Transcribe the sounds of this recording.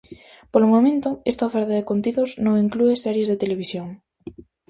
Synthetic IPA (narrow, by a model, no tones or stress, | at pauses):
polomomẽnt̪ʊest̪aofɛɾt̪aðekont̪iðoznõŋiŋkluesɛɾjezðet̪eleβ̞isjoŋ